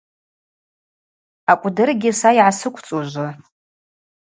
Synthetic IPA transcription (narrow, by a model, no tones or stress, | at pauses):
akʷʼdɨrɡʲɪsaiʕasɨkʷʰt͡sʼoʒʷɨ